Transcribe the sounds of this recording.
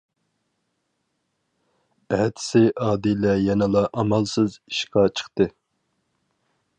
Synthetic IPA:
æht̪ʰsɪʔɑːd̪ilɛjɛnɨlˠɑʔɑmɑlˠsɨzi̥ʃqɑt͡ʃʰə̥χt̪ɨ

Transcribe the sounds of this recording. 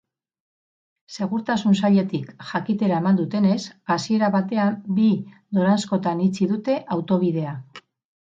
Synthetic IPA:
se̞ɣuɾt̪asunsaʎe̞t̪ikʝakit̪e̞ɾaemand̪ut̪e̞ne̞sasie̞ɾaβat̪e̞ambi | d̪o̞ɾansko̞t̪anit͡siðut̪e̞ʔawt̪o̞β̞ið̞e̞a

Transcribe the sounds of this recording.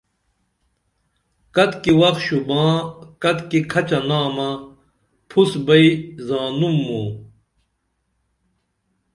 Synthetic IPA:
kɐt̪kiwɐk̪ɕubãːkɐt̪kikʰɐt͡ɕɐnaːmɐ | pʰusbɐizaːnumːũː

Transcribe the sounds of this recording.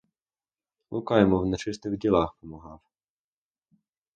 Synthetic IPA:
lˠʊkɑjɛmɔwnɛt͡ʃɪst̪ɪɣdʲilˠɑxpɔmɐɦɑw

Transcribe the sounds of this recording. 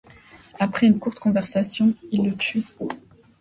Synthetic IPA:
apχɛynkuʁt̪kɔ̃vɛʁsasjɔ̃ilːət̪ʰy

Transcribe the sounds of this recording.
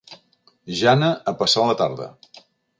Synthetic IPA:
ʒanəəpəsalət̪a̰ɾðə̰

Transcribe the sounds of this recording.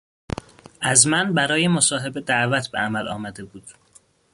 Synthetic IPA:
ʔæzmænbæɾɒːje̞mosɒːɦe̞be̞d̪æʔvæt̪ʰbḛæmælʔɒːmæd̪e̞buːd̪̥

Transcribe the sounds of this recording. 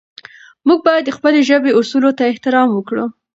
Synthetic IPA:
muɡ̚bɑjad̪ːəxpəleʒəbeusulot̪aɪht̪ɪɾɑmwəkɽu

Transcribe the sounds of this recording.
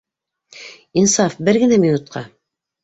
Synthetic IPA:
insɑfbɘɾɡɘ̆næminut̪̚qʰɑ

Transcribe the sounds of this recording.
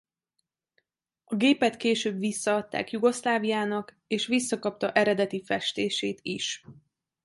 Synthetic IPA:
ɒɡeːpɛt̪keːʃøːbʋisːɒɒt̪ːa̰ːkjuɡo̞ʃlaːvijaːnɒk | eːʃʋisːɒkɒp̚t̪ɒʔɛɾɛd̪ɛt̪ifɛʃt̪eːʃeːt̪iʃ

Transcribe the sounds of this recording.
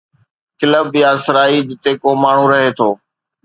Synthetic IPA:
kɪləbjaːsɪɾaːid͡ʑɪt̪ekoːmaːɳ̤ũɾɐɦeːt̪ʰoː

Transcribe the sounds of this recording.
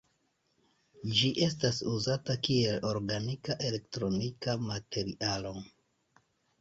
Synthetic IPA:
d͡ʒiʔe̞s̬tasuzatakie̞lo̞ɾɡanikaʔe̞le̞ktɾo̞nikamate̞ɾiʔalo̞

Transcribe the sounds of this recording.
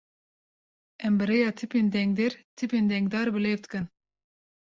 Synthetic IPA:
ɛmbɨɾejɑːt̪ʰɨpind̪ɛŋɡ̚d̪ɛɾt̪ʰɨpind̪ɛŋɡd̪ɑːɾbɨlevt̪kɨn

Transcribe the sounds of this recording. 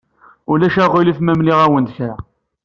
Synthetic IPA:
ʊlæʃæʁilifmæmliʁæwənd̪əçɾæ

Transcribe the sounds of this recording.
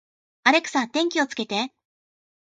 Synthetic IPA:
aɾe̞kɯ̥sãnt̪ẽ̞ŋkʲio̞t͡sɨ̥ke̞t̪e̞

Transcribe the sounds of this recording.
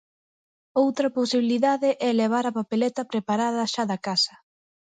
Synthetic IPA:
owt̪ɾɐposiβiliðaðɪʔɛleβ̞aɾɐpapelɛt̪ɐpɾepaɾaðɐʃaðɐkasɐ̥

